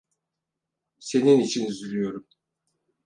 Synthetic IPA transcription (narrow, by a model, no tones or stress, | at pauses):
se̞ninit͡ʃʰinyzylʲyjo̞ɾum